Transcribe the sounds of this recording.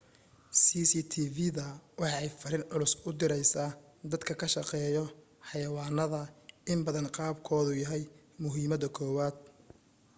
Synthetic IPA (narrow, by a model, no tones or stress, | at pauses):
siːsit̪ʰiːvɪðɐwɑħɑɛjfɐɾɪnʕʊlʊsʊd̪ɪɾɛjsaː | d̪ɐd̪kʰɐkʰɐʃɑqɛːjɔ | ħɑjɐwɑːnɐðɐɪmbɐðɐnqɑːbkʰɔːðʊjɐɦɛj | mʊɦiːmɐðɐkʰɔːwaːd̪̥̚